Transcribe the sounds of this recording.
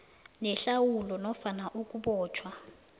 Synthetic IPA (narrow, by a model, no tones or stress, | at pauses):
nɛɬawulɔnɔfanaʔukʼuɓɔːt͡ʃʰwa